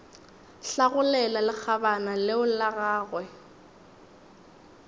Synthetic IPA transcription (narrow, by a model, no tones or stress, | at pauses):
ɬaɣʊlɛlalɪk͡xʰabanalɪʊlaɣaːɣwɛ